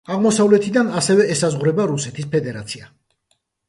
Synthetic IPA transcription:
aʁmɔsavlɛt̪ʰid̪anasɛvɛːsazʁɾɛbaɾusɛt̪ʰis̬pʰɛd̪ɛɾat̪sʰia

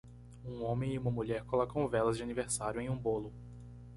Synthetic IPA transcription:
ũõmẽj̃ɪũmɐmuʎɛɾkolɔkɐ̃w̃vɛlɐzd͡ʒɪaniveɾsaɾjʊẽj̃ũbolʊ

